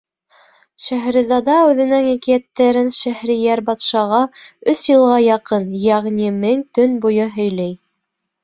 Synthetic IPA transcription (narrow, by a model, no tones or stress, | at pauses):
ʃæɦɾɘ̆zɑd̪ɑʉðɘ̆nɘŋækijæt̪ːæɾɘnʃæhɾĭjæɾbɑt̪ʃɑʁɑɵsjɤ̆lˠʁɑjɑqɤnjæʁnimɘŋt̪ɵnbujɤɦɵ̆jlæj